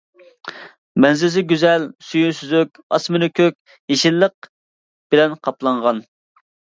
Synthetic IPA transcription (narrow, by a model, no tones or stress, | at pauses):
mɛnzɪzɪɡʲyzɛlsyjynsyzykʲɑsmɨnɪkʲʰøkʲ | jeʃilːəq̚ | b̥ɪlɛnqʰɑplˠɑɴʁɑn